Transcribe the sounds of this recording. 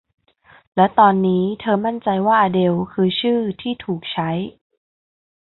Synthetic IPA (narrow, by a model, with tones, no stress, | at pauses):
lɛ˦˥wt̪ɔː˧nːiː˦˥t̪ʰɤː˧ma˥˩nt͡ɕa˧jwaː˥˩ʔaː˧de˧wkʰɯː˧t͡ɕʰɯː˥˩t̪ʰiː˥˩t̪ʰuː˨˩k̚t͡ɕʰa˦˥j